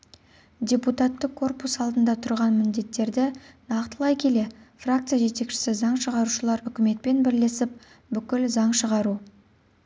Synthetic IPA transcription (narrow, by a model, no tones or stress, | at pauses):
dʲe̞put̪at̪ːəqʰːo̞rpusɑlˠd̪ənd̪ɑt̪ʰʊɾʁɑnmɪnd̪e̞t̪ːe̞ɾd̪ɪnɑqt̪əlˠɑjkʲʰe̞le̞frak̚t̪sɨjaʒe̞t̪e̞kʃɪ̥sɪzɑɴʃəʁɑɾuʃəlˠɑɾʏkʲɪme̞t̪̚pe̞nbɪɾle̞sɪp̚ | bʏkʲɪlzɑɴʃəʁɑɾu